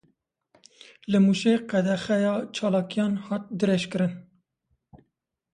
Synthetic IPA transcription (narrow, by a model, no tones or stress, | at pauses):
lɨmuʃeqɛd̪ɛxɛjɑːt͡ʃʰɑːlɑːkijɑːnhɑːt̪̚d̪ɨɾeʃkɨɾɨn